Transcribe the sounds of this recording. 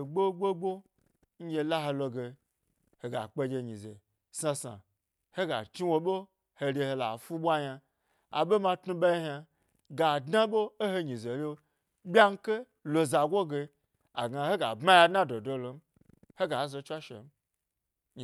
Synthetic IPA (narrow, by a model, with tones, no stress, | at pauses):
ɡ͡bo˦ɡ͡bo˦ɡ͡bo˦ | n̩˦je˧la˦ɦe˧lo˧ɡe˧ | he˨ɡa̰˨k͡pe˧d͡ʒe˧ɲi˨zḛ˨ | sa˧sa̰˨ | he˦ɡa̰˨t͡ʃi˦wo˧ɓo˦ | he˧ɾʲe˧he˧la̰˨fu˦ɓʷa˦ɲa˧ | a̰˨ɓe˦ma˧tnu˦ɓa˦ha˧ | ɡa˨dna˦ɓoː˦he˧ɲi˨ze˨le˦ | ɓʲa˦ŋ̩˦ke˦ | lo˧za˨ɡʷo˦ɡe˧ | a˨ɡa˨he˦ɡa̰˨bma˦ja˧dna˦do˨do˦lo˨m̩˦ | he˦ɡa˨˦zo˧t͡ʃʷa˦ʃḛ˨m̩˦˨